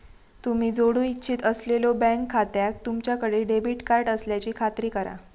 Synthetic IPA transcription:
t̪um̤iːd͡zoɽuitːɕʰiːt̪əslelobɛ̃ŋkʰːat̪jak̚t̪umt͡ɕjakəɽeɖebiʈkaɾʈəsljat͡ɕiːkʰat̪ɾiːkəɾa̰

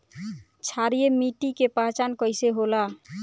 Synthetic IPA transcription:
t͡ʃʰaɾijemiʈikepãt͡ʃankəjseɦola

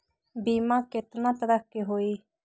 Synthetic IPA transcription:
biːmãket̪nãːt̪əɾəkːeɦoiː

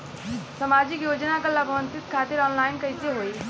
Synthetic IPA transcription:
səmad͡ʒikjod͡ʒnakəlabʱʋənt̪it̪kʰat̪iɾɔːnlaɪnkəjseɦoj

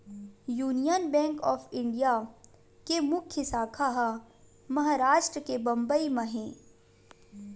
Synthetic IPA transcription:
juːnijənbɛ̃ːŋkɔːfɪ̃ɳɖija | kemʊkʰjəsaːkʰaɦa | mɐɦaːɾaːʃʈɾəkebɐ̃mbəimɐ̃ɦẽː

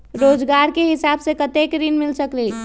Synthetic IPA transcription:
ɾod͡ʒɡaɾkeɦisabsekət̪ekɾinmilsəkli

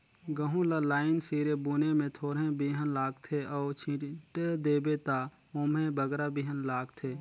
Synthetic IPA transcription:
ɡəɦũlalaːɪnsiːɾebuːnemẽt̪ʰoːɾɦẽbiːɦənlaːɡt̪ʰeɔːt͡ʃʰĩʈed̪eːbet̪a | oːmẽbəɡɾabiːɦənlaːɡt̪ʰeː

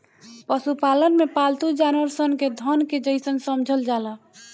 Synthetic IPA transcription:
pəsupalənmepalt̪ud͡ʒanʋəɾsənked̪ʱənked͡ʒəjsənsəmd͡ʒʱəld͡ʒalə

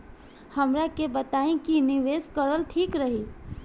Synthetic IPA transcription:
həmɾakebət̪aĩkiniʋeskəɾəlʈʰiːkɾəɦi

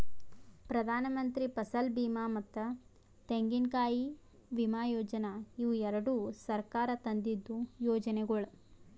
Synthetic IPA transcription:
pɾɐd̪ʱaːnɐmɐnt̪ɾipɐsɐlbiːmaːmɐt̪ːɐ | t̪eŋɡinkaːji | bimaːjɔːd͡ʒɐnɐiʋuɛɾɐɽusɐɾkaːɾɐt̪ɐnd̪id̪ːujɔːd͡ʒɐnɛɡɐɭu

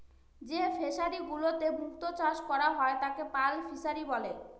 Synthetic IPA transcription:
d͡ʑefeʃaɾiɡulot̪ebʱukt̪ot͡ɕaʃkɔɾaɦɔet̪akepalfiʃaɾibɔle

